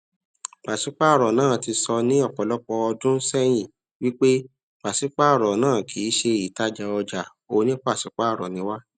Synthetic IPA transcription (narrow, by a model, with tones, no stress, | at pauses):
k͡pa˨ʃi˨˦k͡pa˦˨ɾɔ˨nãː˦˨ti˧sɔ˧nĩ˦ɔ˦˨k͡pɔ˨lɔ˦k͡pɔ˧ɔ˧dũ˦sɛ˦j̃ĩ˦˨ | wi˦k͡pe˦ | k͡pa˨si˨˦k͡pa˦˨ɾɔ˨nãː˦˨kʰi˨˦ʃe˧i˨ta˦d͡ʒa˧ɔ˧d͡ʒa˨ | o˧nĩ˦k͡pa˦˨si˨˦k͡pa˦˨ɾɔ̰˨nĩ˨˦wa˦